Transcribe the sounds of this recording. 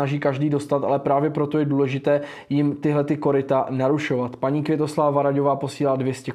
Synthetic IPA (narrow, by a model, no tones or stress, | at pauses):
aʒiːkaʒdiːdo̞st̪at̪ʔa̰lɛpɾaːvjɛpɾo̞t̪o̞jɛduːlɛʒɪt̪ɛː | jɪmt̪ɪɦlɛt̪ɪko̞ɾɪt̪anaɾuʃo̞vat̪paɲiːkvʲjɛt̪o̞slavavaɾaɟovaːpo̞siːlaːdvjɛscɛ